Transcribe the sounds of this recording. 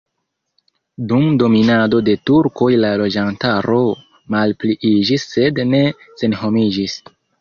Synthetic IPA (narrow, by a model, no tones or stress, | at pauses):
dumdo̞minado̞de̞tuɾko̞jlalo̞d͡ʒantaɾo̞ | malpliʔid͡ʒisːe̞dne̞ | se̞nɦo̞mid͡ʒis